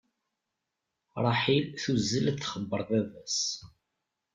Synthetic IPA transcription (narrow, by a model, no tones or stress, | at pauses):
ɾˤɑħilθuzːəlθːχəbːəɾˤðævæs